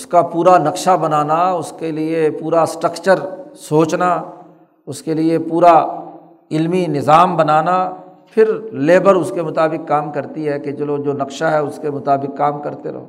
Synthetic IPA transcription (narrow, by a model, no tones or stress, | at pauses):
ʊskapuːɾanɐkʃabɐnaːnaʊskeliepuːɾasʈɾəkt͡ʃəɾsoːt͡ʃna | ʊskeliepuːɾa | ɪlminɪzaːmbɐnaːna | pʰɪɾleːbəɾʊskemʊt̪aːbɪkːaːmkɐɾt̪iɦɛket͡ʃɐlod͡ʒoːnɐkʃaɦɛʊskemʊt̪aːbɪkːaːmkɐɾt̪eɾo̰ː